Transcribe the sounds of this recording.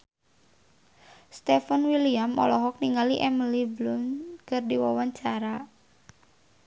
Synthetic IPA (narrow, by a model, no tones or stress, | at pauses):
st̪ɛfanwiliamɔ̰lɔɦɔk̚niŋaliʔɛməliblʊnkɨrdiwawaɲt͡ʃaɾa